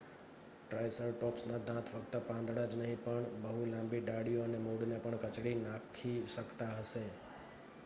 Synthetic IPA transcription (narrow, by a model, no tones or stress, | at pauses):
ʈɾajsəɾʈɔpsnãd̪ʱãt̪ʰfəkt̪əpãnd̪ɽad͡ʒnəɦĩpəɳbəɦulãmbiɖaɽijoənemuɽnepəɳkət͡ʃɽinakʰiʃəkt̪aɦəʃe